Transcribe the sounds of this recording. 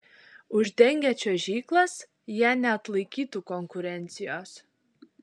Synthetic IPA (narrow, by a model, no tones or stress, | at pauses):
ʊʒd̪ʲɛŋʲɡʲæt͡ʃʲoːʒʲiːklˠɐs | jæːnʲɛɐt̪lˠɐɪkʲiːt̪ukɔŋkʊɾʲɛnʲt̪sʲɪjoːs